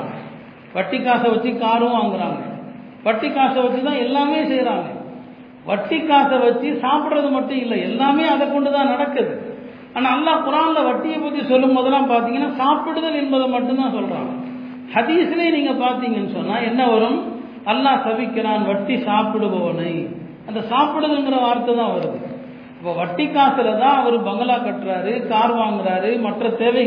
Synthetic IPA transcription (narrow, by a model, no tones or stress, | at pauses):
ʋɐʈːikːaːsɐʋɐt͡ʃːikaːɾɯʋaːŋɡɪɾa̰ːŋɡɐ̰ | ʋɐʈːikːaːsɐʋɐt͡ʃːit̪ãːɛlːaːmeːsɛjɾaːŋɡɐ | ʋɐʈːikːaːsɐʋɐt͡ʃːisaːpɪɽɾɐðɯmɐʈːʊ̃ɪlːɐɛlːaːmeːɐðɐkːɔɳɖɯt̪ãːnɐɽɐkːɐðɯ | aːnaːlːaːpʊɾaːnlɐʋɐʈːɪjɐpːɐt̪ːisɔlːɯmːɔðɐlaːpaːɾt̪̬iːŋɡɐnːaːsaːpɪɽɯðɐlɛnbɐðɐmɐʈːʊ̃t̪ãːsɔlɾa̰ːŋɡɐ̰ | hɐðiːsɪleːniːŋɡɐpaːɾt̪iːŋɡɐɛnːɯsɔnːaːɛnːɐʋɐɾɯm | ɐlːaːsɐʋɪkːɐɾaːnʋɐʈːisaːpɪɽɯʋɐʋɐnɐɪ | ɐnd̪ɐsaːpɪɽɯðɐlɯŋɡɪɾɐʋaːɾt̪ːɐt̪ãːʋɐɾɯðɯ | ɐpːoːʋɐʈːikːaːsɪɾɐt̪ãːɐʋɐɾɯbɐŋɡɐlaːkɐʈːɾaːɾɯkaːɾʋaːŋɡɪɾaːɾɯmɐʈrɐt̪eːʋɐ